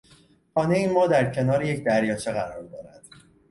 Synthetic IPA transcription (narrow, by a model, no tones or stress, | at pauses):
xɒːneeiːnmɒːd̪æɾcʰe̞nɒːɾeje̞cʰd̪æɾjɒːt͡ʃʰeɣæɾɒːɾd̪ɒ̰ːɾæd̪̥